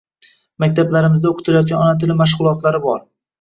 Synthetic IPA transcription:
mak̚ʲt̪ʰablaɾɪmɪzd̪aoqʰʊ̥t̪ʰɪlajɒt̪̚ɡʲanɒnat̪ʰɪlɪmaʃ̬ʁʊlˠɒt̪laɾɪbɒɾ

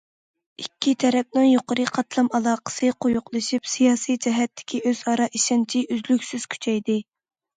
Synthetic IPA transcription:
ikʲʰːit̪ʰɛɾɛp̚nɪŋjoqəɾɨqʰɑt̪lˠɑmɑlˠɑːqə̥sɨqʰojʊqlˠɨʃipsijɑːsijd͡ʒɛɦɛt̪ʰːɪ̥kʲʰiʔøz̥ɑɾɑʔiʃɑnt͡ʃʰiyzlykʲsyz̥kʲʰy̥t͡ʃʰɛjd̪ɪ

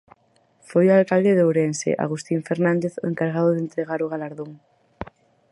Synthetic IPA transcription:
fojualkald̪eðowɾensḛʔa̰ɣust̪iɱfeɾnãnd̪eθḛŋkaɾɣaðʊðent̪ɾeɣaɾʊɣ̞alaɾðoŋ

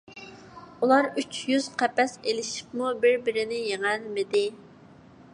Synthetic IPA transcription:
ulˠɑɾyt͡ʃʰjyz̥qʰɛpɛselɪʃi̥p̚mubɪɾbɪɾɪnɪjeŋælmɪd̪ɪ

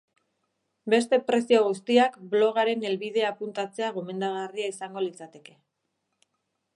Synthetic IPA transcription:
be̞st̪e̞pɾe̞sio̞ɣ̞ust̪iakblo̞ɣ̞aɾe̞ne̞lβið̞e̞apunt̪at͡se̞aɣ̞o̞me̞nd̪aɣariaisaŋɡo̞lit͡sat̪e̞ke̞

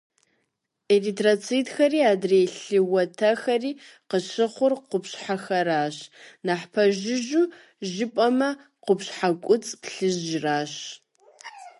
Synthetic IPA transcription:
eritʰrat͡sʰitxɐriːaːdreːɬɨwɐtʰɐxɐriːqəɕɨχʷʊrqʷʊpɕħaxɐɾaːɕnaħpʰɐʒɪʒu | ʒɪpʼɐmɐ | qʷʊpɕħakʷʼʊt͡sʼpɬɨʒʒraːɕ

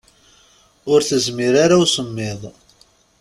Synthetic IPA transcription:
ʊɾθəzmɪɾaɾawsəmːɪðˤ

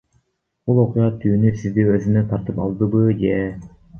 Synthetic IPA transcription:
b̥ulˠo̞qujɑt̪ʰyːnysizd̪iøzynøt̪ʰɑɾt̪ɯpɑ̰lˠd̪ɯbɯd͡ʒe

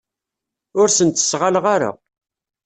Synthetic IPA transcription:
ʊɾsənt̪ə̥sʁalʁaɾa̰

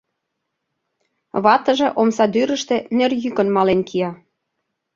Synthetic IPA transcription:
βɑt̪ə̆ʒĕʔomsɑd̪yɾə̆ʃt̪ĕnerjykə̆nmɑlenkijɑ

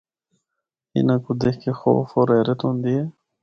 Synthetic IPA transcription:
ḭnakud̪ehkexo̰foɾeɾet̪und̪ie

